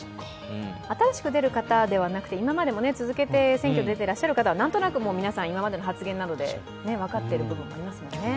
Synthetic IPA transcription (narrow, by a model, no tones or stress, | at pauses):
at̪aɾaɕi̥kɯ̟d̪e̞ɾɯ̟kat̪ad̪e̞β̞anakɯ̟̥t̪e̞imamad̪e̞mo̞ne̞t͡sɨzɨke̞t̪e̞sẽ̞ŋkʲo̞d̪d̪et̪e̞ɾaɕːaɾɯ̟kat̪aβanãnt̪o̞nakɯ̟mo̞ːmʲinasãɰ̃imamad̪e̞noɦat͡sɨɡẽ̞nːad̪o̞d̪e̞̰ | ne̞β̞akat̪ːe̞ɾɯ̟bɯ̟bɯ̟̃mːoaɾʲimasɨmo̞nene